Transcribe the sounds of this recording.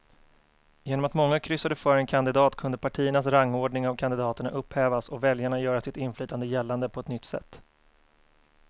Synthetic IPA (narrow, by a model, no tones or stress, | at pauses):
jeːnɔmat̪mɔŋːakʰɾʏsːad̪əfœːɾɛnkʰand̪ɪd̪ɑːt̪kʰɵnd̪əpʰaʈʰiːəɳas̬ɾaŋːoːɖɳɪŋavkʰand̪ɪd̪ɑːt̪əɳa̰ʔɵpːhɛːvasɔvɛljaɳajœːɾasɪt̪ɪnflyːt̪and̪əjɛlːand̪əpʰɔɛt̪nʏt̪ːsɛ̰t̪ː